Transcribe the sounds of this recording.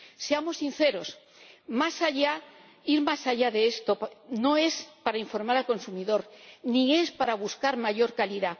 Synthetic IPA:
se̞amo̞sːinθe̞ɾo̞s | masaʝa | iɾmasaʝaðe̞est̪o̞no̞e̞spaɾaiɱfo̞ɾmaɾalko̞nsumiðo̞ɾnie̞spaɾaβuskaɾmaʝo̞ɾkaliða

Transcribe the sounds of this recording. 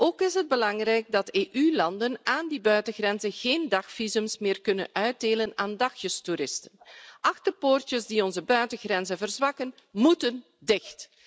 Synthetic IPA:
ʔoːkɪsɦəd̚bəlɑŋrɛjɡ̚dɑteːʔylɑndənaːndibœɥtəɣrɛnzəɣeːndɑxfizɵmsmɪːrkɵnə̰nœɥ̚deːlənaːndɑxjəstuɾɪstənʔɑxdəpoːrtjəzdiɔnzəbœɥtəɣrɛnzəvərzʋɑkən | mutən | dɪxt

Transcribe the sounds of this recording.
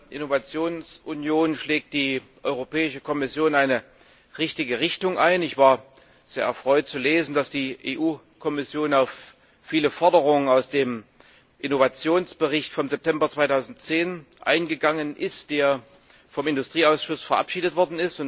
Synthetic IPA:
ʔɪnovat͡sjoːnsʔʊnjoːnʃlɛːk̚t̚d̥iːʔɔʏʁopɛːɪʃəkʰɔmɪsjoːnaɪnə | ʁɪçtɪɡəʁɪçtʊŋʔaɪnɪçv̥aːɐ | z̥eːɐʔɛ̰ɐfʁ̥ɔʏt̚t͡suleːzn̩dasd̥iːʔeːʔuː | kʰɔmɪsjoːnaʊfː | iːləfɔɐdəʁʊŋənaʊsd̥eːm | ʔɪnovat͡sjoːnsb̥əʁɪçtfɔmzɛp̚tʰɛmbɐt͡sv̥aɪtʰaʊzn̩tt͡seːnʔa̰ɪnɡəɡaŋənʔɪstd̥eːɐ | fɔmɪndʊstʁ̥iːaʊsʃʊsfɛɐʔa̰pʃiːdətv̥ɔɐdn̩ɪstʊn

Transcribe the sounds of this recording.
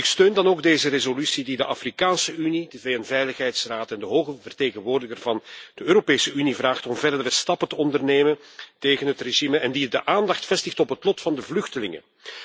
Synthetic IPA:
ɪkstøːndɑnoːɡ̚deːzərezolysididəʔɑfrikaːnsəynidəveːjənvɛjləxɦɛjtsraːtɛndəɦoːɣəvərteːɣənʋoːrdəɪɣərvɑnd̥əøːɾopeːsəynivraːxtɔmvɛrdəɾəstɑpətəɔndərneːmənteːɣənɦətreʒiməɛndidəʔaːndɑxtfɛstɪxtɔpɦətlɔtfɑndəvlʏxtəlɪ̰ŋə̰

